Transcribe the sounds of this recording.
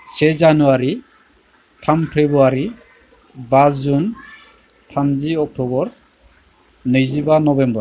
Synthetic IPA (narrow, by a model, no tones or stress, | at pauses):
sezanuaɾi | tʰampʰɾebuaɾi | basd͡ʒun | tʰamziɔk̚tɔbɔɾ | nɯjzibanɔbembɔɾ